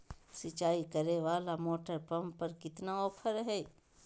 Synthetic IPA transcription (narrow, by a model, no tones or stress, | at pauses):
sɪt͡ʃaːikəɾeʋaːlamoːʈəɾpɐmpəɾkɪt̪naɔːpʰəɾɦɛː